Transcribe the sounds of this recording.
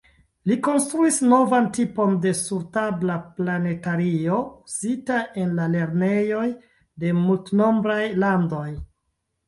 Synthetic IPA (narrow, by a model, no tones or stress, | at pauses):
liko̞nstɾuisno̞vantipo̞nde̞suɾtablaplane̞taɾio̞uzitaʔe̞nlale̞ɾne̞jo̞j | de̞multno̞mbɾajlando̞j